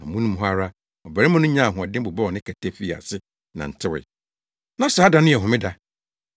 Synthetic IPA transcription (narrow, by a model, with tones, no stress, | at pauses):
nã˨mũ˦nũ˦m˦ɦa˦ɾa˦ | ɔ˨bæ˨ɾɪ˦mʊ̃˦nʊ̃˦ɲã˦˨ɦʊ̃˨a˨dɪ̃˦bʊ˨bɔ˦ɔ˨nɪ̃˦kʰɛ˨tʰɛ˦fi˦˨a̰˨sɪ˦ | nã̰˨n̩˨tʰɪ˦wɪ̰˨ | nã˦saː˨˦da˨˦nʊ̃˦˨ɛ˨ɦʊ̃˨mɪ̃˦da˨